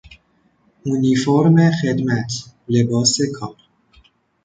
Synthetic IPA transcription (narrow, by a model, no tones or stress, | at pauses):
ʔunifoɾmexe̞d̪mæt̪ʰle̞bɒːsekʰɒːɾ